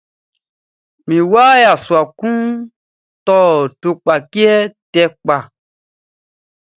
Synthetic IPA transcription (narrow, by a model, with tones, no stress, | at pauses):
mĩ˨waː˦ja˨su˨a˨kũ˦ | tɔ˦˨to˧k͡pa˨ki˦ɛ˦tɛ˧k͡pa˨